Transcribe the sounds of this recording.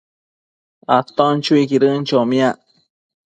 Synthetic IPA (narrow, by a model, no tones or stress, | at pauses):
at̪ont͡ʃuikiɾɨnt͡ʃomĩaʔ